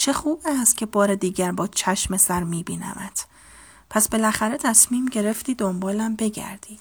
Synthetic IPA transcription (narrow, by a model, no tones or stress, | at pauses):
t͡ʃʰe̞xuːbæst̪̚cʰʲe̞bɒːɾe̞d̪iːɟæɾbɒːt͡ʃʰæʃme̞sæɾmiːbiːnæ̰mæt̪ | pʰæsb̥e̞læxæɾe̞t̪ʰæsmiːmɟe̞ɾe̞ft̪iːd̪o̞mbɒːlæmbe̞ɟæ̰ɾd̪̥iːd̪̥